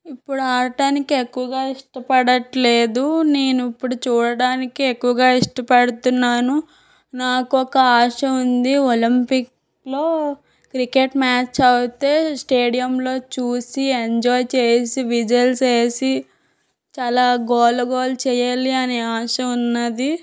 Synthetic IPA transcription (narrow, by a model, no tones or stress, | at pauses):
ipːuɽuaːɾɐʈaːnikiekːuʋɐɡaːiʂʈɐpɐɽɐʈle̞ːd̪une̞ːnuipːuɽut͡ʃuːɽɐɽaːnikiekːuʋɐɡaːiʂʈɐpɐɽut̪unːaːnu | naːkuɔkɐaːʂɐund̪iolimpik | lo̞ː | kɾikeʈmaːt͡ʃɐwt̪e̞ːsʈe̞ːɽijɐmlo̞ːt͡ʃuːsieɲd͡ʒɔːjt͡ʃeːsiʋid͡ʒɐlseːsi | t͡ʃaːlaːɡɔːlɐɡoːlt͡ʃɛːjaːliɐneːaːʂɐunːɐd̪i